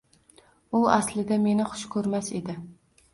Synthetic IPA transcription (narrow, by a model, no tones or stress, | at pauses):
ʊaslɪd̪ame̞nɪχʊ̥ʃkʰɵɾmase̞d̪ɪ